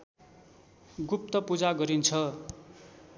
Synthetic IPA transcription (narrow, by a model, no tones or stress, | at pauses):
ɡup̚t̪ʌpud͡zaɡʌɾint͡sʰʌ